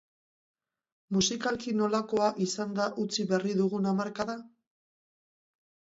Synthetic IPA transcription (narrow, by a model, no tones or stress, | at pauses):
musikalkino̞lako̞aʔisand̪aʔut͡siβe̞riðuɣunamaɾkaða